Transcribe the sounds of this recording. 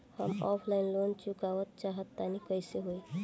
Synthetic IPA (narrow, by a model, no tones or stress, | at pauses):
hə̰mɔ̰pʰlaɪnlont͡ʃukawət̪̚t͡ʃaɦət̪ːanikəjseɦoj